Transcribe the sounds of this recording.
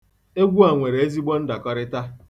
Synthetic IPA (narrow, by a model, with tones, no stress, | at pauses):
e˦ɡʷu˦a˨ŋʷe˨ɾe˨e˦zi˦ɡ͡bɔ˦n̩˦da˨kɔ˦ɾɪ˦ta˦